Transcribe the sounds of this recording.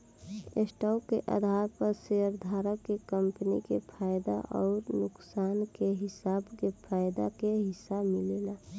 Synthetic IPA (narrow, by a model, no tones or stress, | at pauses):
esʈaʊkeʔə̰d̪ʱaɾpəɾseəɾd̪ʱaːɾəkːekəmpənḭkepʰaːjd̪a̰ʔɔːɾnʊksaːnkeɦɪsaːbkepʰaːjd̪a̰keɦɪsabmɪleːla